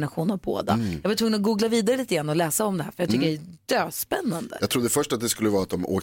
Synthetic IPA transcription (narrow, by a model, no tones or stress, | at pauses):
naɧuːnavbo̰ːd̪a̰jɑːɡvat̪ʰvɵŋːnnɔɡuːɡlaviːd̪aɾəliːt̪əɡɾanːɔlɛːsaɔmd̪ɛɦæːɾfœɾjɑt̪ʏkːəɖɛæd̪̥øːspɛnːand̪ə̰ɑɡt̪ɾuːd̪ːəfœʂʈat̪̚d̪ɛskɵlːəvɑːat̪̚d̪ɔmo̰ːk